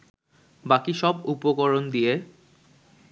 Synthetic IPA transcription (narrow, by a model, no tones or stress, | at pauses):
bakiʃɔbupokoɾond̪ije